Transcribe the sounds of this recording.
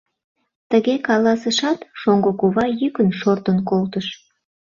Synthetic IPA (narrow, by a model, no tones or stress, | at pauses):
t̪əɣekɑlɑsəʃɑt̪ʃoŋɡokuβɑjykənʃort̪ənkolt̪əʃ